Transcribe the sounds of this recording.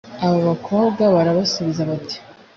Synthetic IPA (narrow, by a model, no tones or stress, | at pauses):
aβoβakʰo̞ːβɡaβaɾaβasuβizaβati̥